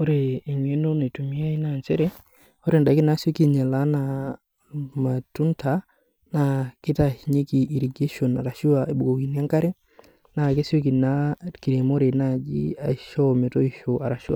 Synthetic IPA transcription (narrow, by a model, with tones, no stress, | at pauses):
o˦ɾeː˨ɲwe˦no˦na˨tu˨mi˦a˦i˦na˨nt͡ʃe˦ɾɛ˦ | o˦ɾe˨nda˨ki˦na˦so˦ki˦ɲa˨la˦na | ma˨tu˦nta | na˨ki˦ta˦i˨ɲe˦ki˨ʔːɾi˨ɡe˦ʃo˨na̰˨ɾa˨ʃu˦ae˨bu˨ɡo˨ki˨ni˦a˦ŋka˦ɾɛ˦ | na˨ke˦sjo˦k̬i˨na˦ki˨ɾe˨mo˦ɾe˨na˦d͡ʒi˦a˨ʃɔ˦me˨to˦iʃoaɾa˨ʃṵ˦wa̰˨